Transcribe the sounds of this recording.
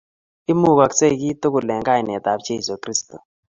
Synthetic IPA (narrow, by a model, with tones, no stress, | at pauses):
ɪ˦mu˦˨ka˨kse˦i˨ki˦to˦kʊ˨lɛ˨ŋɡa˦ɪ˨nɛ˨ta˨bt͡ʃe˦˨so˨kɾi˦sto̰˨